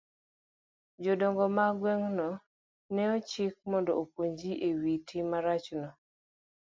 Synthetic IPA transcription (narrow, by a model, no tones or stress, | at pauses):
d͡ʒɔdɔŋɡɔmaɡwɛŋnɔ | nɛɔt͡ʃɪk̚mɔndɔopwoɲd͡ʒiʔewitimaɾat͡ʃnɔ